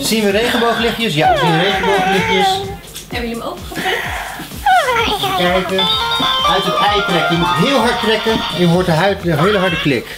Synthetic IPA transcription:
z̥inʋərejχənbowχəlɪχjəsjaəzinʋərejχəbowχəlɪχjəs | ɛbəjəəmowvəχəpa | pɛɹkəœɥtətɛjətrɛkjəmutɦɪːlˠɦɑɹt̚rɛkənɛnjəjəɦoːɹtəɦəɦejləɦɑɹdəklɪk

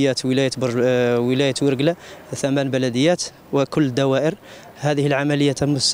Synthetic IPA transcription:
jːæt̪wəlæjət̪bwəlæjət̪wəɾɡlat̪æmænbælæd̪əjːæt̪ | wəkʊlːd̪æwæʔəɾ | hæd̪əhəlʕamæləjːæt̪mʊs

